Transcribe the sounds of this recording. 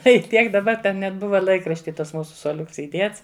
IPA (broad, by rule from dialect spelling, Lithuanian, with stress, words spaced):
ˈtɐɪ ˈtʲiɛk dɐˈbɐ ˈtʲɛn nʲɛt ˈbʊʋɐ ˈlˠɐɪkrɐʃʲtʲɪ ˈtɐs ˈmuːsʊ suɔˈlʲʊks iːˈdʲiɛts